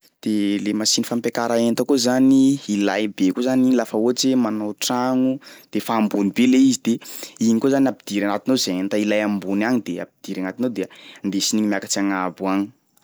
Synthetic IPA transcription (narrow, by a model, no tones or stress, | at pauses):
d̪̥elemasinifampjakaɾaent̪əkozaniːlajbekozanilafaot͡semanoʈ͡ʂaŋud̪̥efaːmbunibeleizid̪eiɲikozanʲapid̪̥iɾanat̪inozeent̪ailajambunaɲid̪ea̰p̚id̪̥iɾanat̪inod̪eənd̪esiniɲimjakat͡siaŋabuaɲi̥